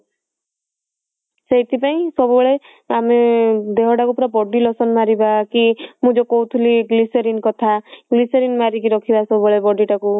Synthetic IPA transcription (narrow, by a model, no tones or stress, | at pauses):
sejt̪ʰipaĩsɔbɔɭe | amed̪eɦɔʈakupɾɔbɔɖilɔsɔnmaɾibakimũd͡ʒɔkɔɦut̪ʰuliɡlisɔɾinkɔt̪ʰaɡlisɔɾinmaɾikiɾɔkʰibasɔbɔɭebɔɖiʈaku